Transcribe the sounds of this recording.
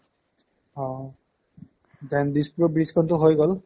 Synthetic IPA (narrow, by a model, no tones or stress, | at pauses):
hɔ̃ | d̪ɛnd̪ispuɹɔbɹiskʰɔnt̪ʊɦojɡɔl